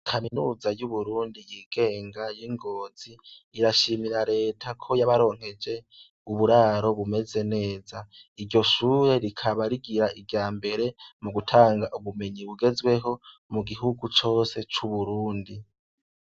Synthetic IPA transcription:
kʰaminuːzajuβuɾuːndijiɡ̥e̞ːŋɡajiŋɡo̞ːz̥iːɾaʃimiɾaɾe̞ːtʰakʰo̞jaβaɾo̞ːŋ̥he̞d͡ʒe̞ | uβuɾaːɾo̞βume̞ze̞ne̞ːzaiɾɟo̞ʃuːɾe̞ɾikʰaβaɾiɡiɾaʔiɡaːmbe̞ɾe̞muɡutʰaːŋɡaʔuβume̞ɲiβuɡe̞zwe̞ɦo̞muɡiɦuɡut͡ʃo̞ːse̞t͡ʃuβuɾuːndi

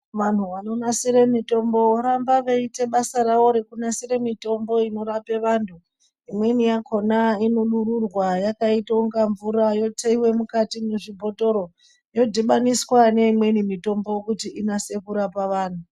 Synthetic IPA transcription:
ʋan̤uʋano̞nasiɾe̞mito̞mbo̞oɾambaʋeite̞ɓasaɾawo̞ɾekunasiɾe̞mito̞mbo̞ino̞ɾape̞ʋaːntʰu | imwe̞nijakʰo̞nainunuɾurwajakaitauŋɡaɱvuɾajo̞teiwe̞mukatimneʐibʱo̞to̞ɾo̞ | jo̞dʱiɓaniswane̞imwe̞nimito̞mbo̞kutiinase̞kuɾapaʋaːn̤u

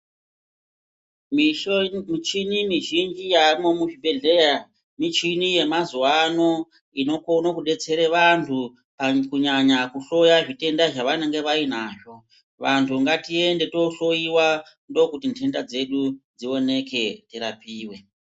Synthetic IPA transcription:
t͡ʃinimiʒind͡ʒijamomuʐibʱe̞ɮeja | mit͡ʃinije̞mazuwano̞ | ino̞konokuɗe̞t͡se̞ɾeʋantʰu | pakuɲaɲakuɬo̞jaʐite̞ndaʐaʋane̞ŋɡe̞ʋainaːʐo̞ | ʋantʰuŋɡatie̞nde̞to̞ɬo̞iwa | ndo̞kutintʰe̞ndad͡ze̞ɗud͡zio̞ne̞ke̞teɾapiːwe̞

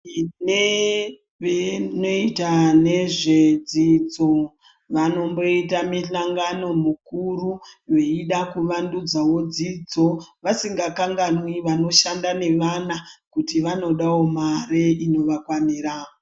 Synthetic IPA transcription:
ne | ʋeno̞itane̞ʐe̞d͡zid͡zo | ʋano̞mbo̞itamiɬaŋɡano̞mukuruje̞iɗakuʋandud͡zawo̞d͡zid͡zo̞ʋasiŋɡakaŋɡanwiʋano̞ʃandane̞ʋanakutiʋano̞ɗawo̞maɾeino̞ʋakwamiɾaːo

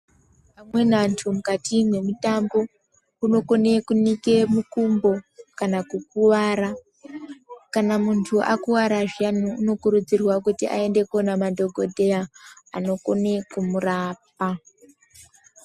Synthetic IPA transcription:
pamwe̞nantʰumukatimwe̞mutambo̞ | uno̞ko̞ne̞kunike̞mukumbo̞kanakuk̚uwaɾa | kanamuntʰuʔakuwaɾaʐianuuno̞kuɾud͡zirwakutiʔa̰e̞nde̞kuonamadʱo̞ɡʱo̞dʱeaa̰no̞kone̞kumuraːp̚a

